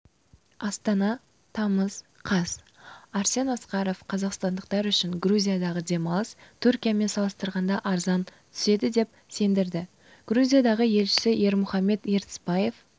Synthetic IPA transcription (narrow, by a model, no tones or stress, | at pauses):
ɑst̪ɑnɑ | t̪ʰɑməz | qʰɑz̥ | ɑɾse̞nɑsqɑɾo̞fqʰɑzɑqst̪ɑnd̪əq̚t̪ɑɾʏʃɪŋɡɾuzʲijad̪ɑʁəd̪e̞mɑlˠəst̪ʰʏɾkʲijame̞nsɑlˠəst̪əɾʁɑnd̪ɑʔɑɾzɑnt̪ʰʏ̥se̞d̪ɪd̪e̞p̚ | se̞nd̪ɪɾd̪ɪ | ɡ̥ɾuzʲijad̪ɑʁəje̞lʃɪ̥sɪje̞ɾmʊχɑmːe̞t̪jeɾt̪ɪ̥spɑje̞f